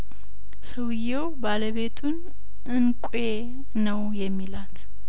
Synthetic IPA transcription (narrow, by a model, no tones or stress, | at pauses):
səwjːewbaləβe̞t̪ʰun | ɨnkʷʼe | nəwjɛmːilat̪